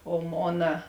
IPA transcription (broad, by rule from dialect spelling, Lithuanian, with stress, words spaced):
oː ˈmoːnɐ